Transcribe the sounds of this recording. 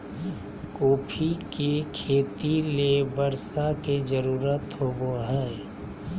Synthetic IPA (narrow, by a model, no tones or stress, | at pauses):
koːpʰikekʰeːt̪ilebəɾsaked͡ʒəɾuːɾət̪ɦoːboɦɛː